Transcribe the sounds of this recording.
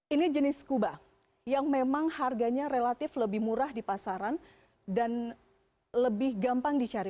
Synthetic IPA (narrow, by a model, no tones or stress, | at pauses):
ʔinid͡ʒənɪskuba | jaŋmemaŋharɡaɲaɾelat̪ɪfləbɪhmuɾahdipasaɾan | dan | ləbɪhɡampaŋdit͡ʃaɾi